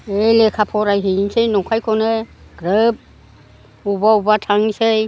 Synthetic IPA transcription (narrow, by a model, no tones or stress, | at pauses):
ejlekʰapʰɔɾajɦinsejnɔkʰajkʰɔneɡ̥ɾeb̚ | ubaubatʰaŋisej